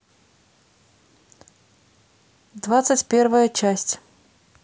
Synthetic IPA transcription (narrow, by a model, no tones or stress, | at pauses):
d̪vat̪sɨtʲpʲervəjət͡ɕæsʲtʲ